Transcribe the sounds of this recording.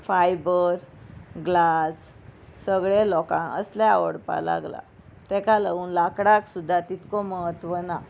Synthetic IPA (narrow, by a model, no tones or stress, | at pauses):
fajbəɾɡlasː | əɡɭelɔkãə̰sljaa̰ʋəɽpa̰la̰ɡla̰ | t̪ɛkalauːnlakɽaksud̪ʱːat̪it̪kɔməɦət̪ʋəna